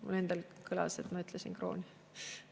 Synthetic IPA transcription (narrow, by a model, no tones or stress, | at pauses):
mṵle̞nd̪̥elkʰɯlɑ̰se̞t̪mɑyt̪ˑlesinkro̞̰ːni